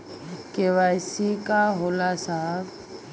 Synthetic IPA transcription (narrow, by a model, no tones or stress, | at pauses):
keʋajsikaɦolasab